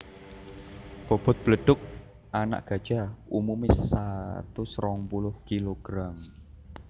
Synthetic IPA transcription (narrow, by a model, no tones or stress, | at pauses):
b̥o̤b̥ɔ̤t̪̚b̥ləɖ̥ʊk̚ | ʔana̰ʔɡ̥ä̤d̥ʒ̥a̤umumɪsat̪usɾɔŋpulʊhkiloɡ̥ɾam